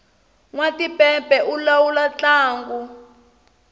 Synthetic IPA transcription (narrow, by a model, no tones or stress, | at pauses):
ŋwatipɛpɛʔulawulat͡ɬaːŋɡu